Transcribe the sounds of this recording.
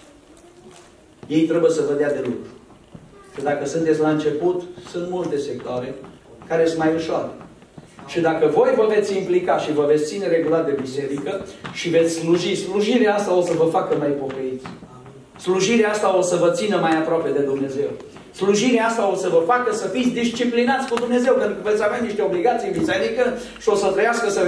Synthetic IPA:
je̞jt̪ɾe̞bujesəvəd̪ead̪e̞lukɾu | ʃid̪akəsunt̪et̪sʲlaɨnt͡ʃe̞put̪sunt̪mult̪e̞sek̚t̪oaɾe̞kaɾesɨnmajuʃoa̰ɾe | ʃid̪akəvo̞jvəve̞t̪sʲimplikaʃivəvet̪sʲt̪sine̞ɾe̞ɡulat̪̚d̪e̞bise̞ɾikəʃive̞t̪sʲsluʒisluʒiɾeaast̪ao̞səvəfakəmajpo̞kəit̪sʲ | sluʒiɾeaast̪aosəvət̪sinəmajapɾoape̞d̪e̞d̪umne̞ze̞w | sluʒiɾeaast̪ao̞səvəfakəsəfit̪sʲd̪ist͡ʃiplinat̪sʲkud̪umne̞ze̞wpent̪ɾukəve̞t̪sʲaveaniʃt̪e̞o̞bliɡat̪sibiseɾikə | ʃio̞sət̪ɾəjaskəsə

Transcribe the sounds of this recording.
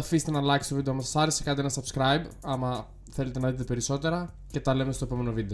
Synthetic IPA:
ɐfise̥t̪enɐlɐksi̥st̪vid̪emɐsɐ̥sɐɾesekɐnd̪ienɐsɐbskɾɐjbɐmɐ | θe̞let̪enɐðit̪epe̞ɾiso̞t̪e̞ɾɐ | ce̞t̪ɐle̞mest̪oepo̞me̞no̞vid̪e

